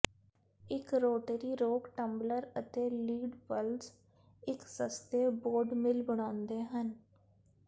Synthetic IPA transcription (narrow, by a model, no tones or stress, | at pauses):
ɪkɾoːʈəɾiːɾoːkʈəmbləɾət̪eːliːɖbəlz | ɪksəst̪eːboːɾɖmɪlbəɽ̃ãːʊnd̪eːɦən